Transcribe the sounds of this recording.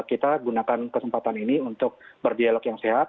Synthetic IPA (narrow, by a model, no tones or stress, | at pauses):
kit̪aɡunakankəsəmpat̪aniniunt̪ʊk̚bərdialɔkjaŋseɦat̪̚